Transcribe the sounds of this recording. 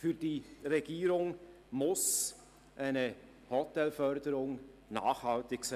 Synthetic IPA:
fyːd̥iːʁɛɡiːɾʊŋ | mʊs | ʔaɪnə | hɔtɛlfœʁdəɾʊŋna̰ːχhɑltɪksa

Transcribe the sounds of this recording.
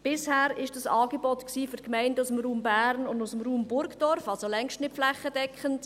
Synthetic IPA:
b̥ɪshæːɾɪʃd̥ɑsɑːɡɛbɔtksiːføɾkmɛɪndʊsəmɾuːmbæːɾnʊndusəmɾuːmbʊɾɡd̥ɔɾfɑlsolɛŋʃtnɪtflɛχədɛkχənt

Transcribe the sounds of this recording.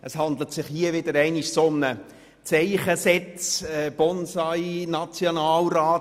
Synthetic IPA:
əshɑnd̪lətsɪχhiəʋɪdəɾɛɪniʃsomnə | t͡sɛɪχəsɛt͡sɛb̥ɔnsɑɪnɑt͡sjonɑːlraːt

